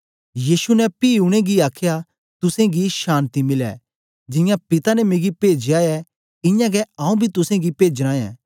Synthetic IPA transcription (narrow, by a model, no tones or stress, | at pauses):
jiːsunɛpiːʊɽ̃eɡiaːkʰja | t̪ʊsẽɡiʃaːnt̪imɪlɛ̰ | d͡ʒɪ̃jãpɪt̪anɛmẽːɡipeːd͡ʒjaːɛ | ɪ̃jãɡɛãːũbʱit̪ʊsẽɡipeːd͡ʒɾãːjɛ̰̃ː